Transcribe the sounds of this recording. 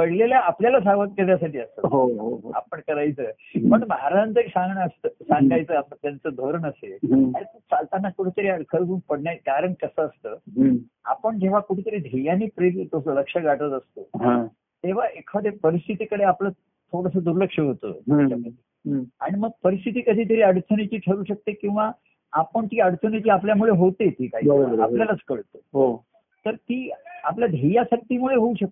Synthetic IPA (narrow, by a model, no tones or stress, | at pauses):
pəɽleljaːpljalas̬aɡʋət̪̚kəɾjas̬aʈiːəsəɦoɦoɦoa̰pəɳkəɾajt͡səː | pəɳməɦaɾaənt̪əɾisãŋɡɳəst̪əsãŋɡajt͡səːat̪at̪jant͡səd̪ʱoɾənəseɦait̪ut͡salt̪anːakuʈʰet̪əɾiəkʰəɾɡunpəɽnjakaɾəɳkəsəːst̪əː | a̰pəɳd͡ʑeʋ̤akuʈʰet̪əɾiːd̪ʱejaniːpɾit̪t̪osələkʂəɡaʈət̪əst̪oɦa | t̪eʋ̤aʔekʰʋad̪ʱepəɾist̪ʰit̪iːkəɽeaplə | t̪ʰoɽəsəːd̪uɾləkʂəɦot̪ə̰t͡ɕaməd̪ʱe | a̰ɽ̃iməɡ̚pəɾist̪ʰit̪iːkəd̪ʱiːt̪ʰəɾiːəɽt̪ʰənet͡ɕiːʈʰəɾuːɕək̚t̪ekĩw̃ʋa | apəɳt̪iːəɽt̪ʰənet͡ɕiːapljamuɭeɦot̪et̪ʰiːkaɦḭbəɾobəa̰pljalət͡skəɭt̪oɦo | t̪əɾt̪iːapljad̪ʱejasaʈ̚t̪iːmuɭeɦouɕək̚t̪